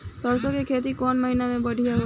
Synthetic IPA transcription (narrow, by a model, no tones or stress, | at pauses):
səɾsõkekʰeːt̪̬ikɔːnməɦinamẽbəɽʱijaɦo